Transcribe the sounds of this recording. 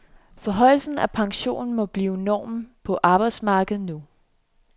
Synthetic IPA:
fɒ̽ɦɒ̽ɪ̰lsn̩æpʰɑ̈ŋɕo̝̰ːnn̩mɒ̽b̥liːʊnɒ̰ːmpʰɒ̽ʔɑ̈ːb̥ɑ̈ɪd̥smɑ̈ːɡ̥ð̩ˠnu

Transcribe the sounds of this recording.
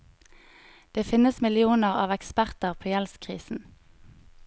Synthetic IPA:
d̪̥eːfɪnəsmɪlɪuːnəʁɑ̰ːʋɛkspæʁt̪əʁpʰoːjɛlskʰʁḭːsn̩

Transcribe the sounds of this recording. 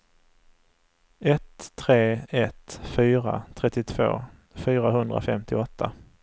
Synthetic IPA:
ɛt̪ʰːɾeːɛt̪fyːɾa̰t̪ʰɾɛt̪ːɪt̪ʰv̥o̰ː | fyːɾaɦɵnd̪ɾa̰fɛmt̪ɪɔt̪ʰːa

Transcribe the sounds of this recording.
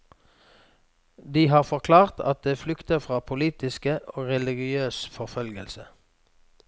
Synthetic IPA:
d̪iːhɑːʁfɔʁkʰlɑːʁt̪ʰɑ̰t̪̚d̪eːflʏkt̪əʁfʁɑːpʰʊliːt̪ɪskəʔoːʁɛlɪɡɪøːsfɔʁfœlɡəlsə

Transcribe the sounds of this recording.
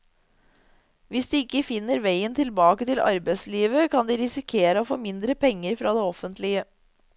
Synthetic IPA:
ʋɪsd̪iːɪkːəfɪnːəɾʋæɪənt̪ʰɪlbɑːkət̪ɪlɑ̰ɾbæɪsliːʋəkʰɑnd̪iːɾɪsɪkʰeːɾəoːfo̰ːmɪnd̪ɾəpʰɛŋːəɾfɾɑːd̪eːɔfənt̪lɪə

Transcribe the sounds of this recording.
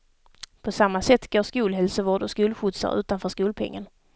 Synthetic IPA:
pʰɔsamːasɛt̪ːɡoːʂkuːlɦɛlsəvoːɖɔskuːlɧʊt̪sa̰ɾʔʉ̟ːt̪anfœːʂkuːlpʰɛ̰ŋːə̰n

